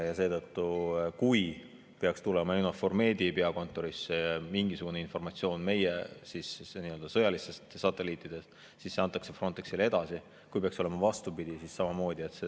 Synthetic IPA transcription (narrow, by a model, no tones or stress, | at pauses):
jɑse̞ːd̪ɤt̪ːukuj | pe̞ɑkst̪ulemɑewnɑfo̞rme̞ːd̪̥ʲipeɑko̞nt̪ːˑo̞ɾisːeɑmiŋɡ̥isuɡ̥uneinfo̞rmɑt̪sio̞ːnme̞jesisniːø̞ld̪ɑsɤjɑlist̪e̞st̪sɑt̪ˑːe̞liːt̪ːˑid̪̥e̞st̪ | sisːe̞ɑnt̪ːˑɑkse̞fro̞nt̪ːˑeksile̞d̪̥ɑsi | kujpeɑkso̞le̞mɑvɑst̪upid̪̥isissɑmɑmo̞ːd̪̥ʲie̞t̪se